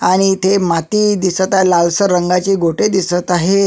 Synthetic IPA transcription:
aɽ̃it̪ʰemat̪iːd̪isət̪aɦelalsəɾəŋɡat͡ɕiːɡʱoʈed̪isət̪aɦe

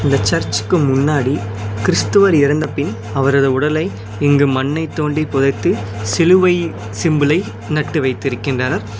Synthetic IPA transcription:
ɪnd̪ɐt͡ʃːɐɾt͡ʃːɯ̥kːɯmʊnːaːɽi | kɪɾɪst̪ɯʋɐɾɪɾɐnd̪ɐpɪn | ɐʋɐɾɐðɐʊɽɐlɐɪ | ɛŋɡɯmɐnːɐɪt̪ːoːɳɖipʊðɐɪt̪ːɯ | sɪlɯʋɐɪ | sɪmbɯlɐɪ | nɐʈːɯʋɐɪt̪ːɪɾɯkːɪndrɐnɐɾ

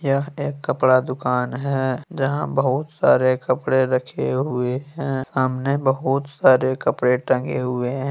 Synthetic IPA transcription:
jɐeːkːɐpɽad̪ʊkaːnɦɛd͡ʒɐɦãbɐɦʊt̪sa̰ːɾekɐpɽeɾɐkʰeɦʊeɦɛ̃saːmnebɐɦʊt̪saːɾekɐpɽeʈɐ̃ŋɡeɦʊeɦɛ̃ː

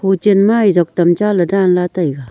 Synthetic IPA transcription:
hot͡ɕenmajzak̚t̪amt͡ɕaladanlat̪ajɡa

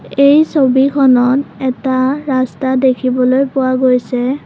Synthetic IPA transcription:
ejsobikʰɔnɔtɛtaɹastadekʰibɔlojpʊwaɡojsɛ

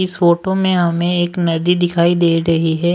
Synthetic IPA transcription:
ɪsfoːʈõmẽɦɐmẽeːknɐd̪id̪ɪkʰaːid̪eːɾɐɦiɦɛː

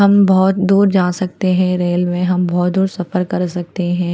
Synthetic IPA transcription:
ɦɐmbɔːt̪d̪uːɾd͡ʒaːsɐk̚t̪eɦɛ̃ɾeːlmẽɦɐmbɔːt̪̚d̪uːɾsɐfəɾkɐɾsɐk̚t̪eɦɛ̃ː

